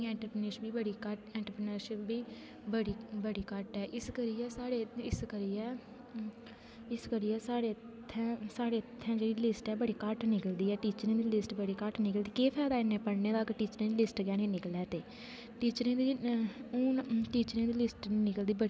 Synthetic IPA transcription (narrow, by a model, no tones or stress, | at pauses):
ɛ̃ːɳʈɾəpɾnəɾʃbiːbəɽiːkəʈɛ̃ːɳʈɾəpɾənəːɾʃɪpbiː | bəɽiːbəɽiːkəʈɛːʔɪskəɾiːɛːsaːɽeːɪskəɾiːɛː | ɪskəɾiːɛːsaːɽeːttt̪ʰːɛ̃saːɽeːt̪ʰːɛ̃ːd͡ʒeːɽiːlɪsʈɛːbəɽiːkəʈnɪkəld̪iːɛːʈiːt͡ʃɾẽːd̪iːlɪsʈbəɽiːkəʈnɪkəld̪iːkeːpʰɛːd̪aːɪneːpəɽneːd̪aːkʈiːt͡ʃɾẽːd̪iːlɪsʈɡɛːnẽːnɪklɛːt̪eː | ʈiːt͡ʃɾẽːd̪iːʊːnʈiːt͡ʃɾẽːd̪iːlɪsʈnɪkəld̪iːbəɽiː